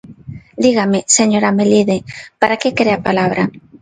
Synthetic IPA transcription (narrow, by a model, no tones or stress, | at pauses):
d̪iɣameseɲoɾameliðepaɾakekɾeapalaβɾa